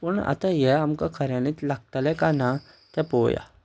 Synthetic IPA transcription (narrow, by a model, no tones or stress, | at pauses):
pəɳa̰t̪ajɛamkakʰəɾjãnit̪laɡ̚t̪alɛkana | t̪ɛpoja̰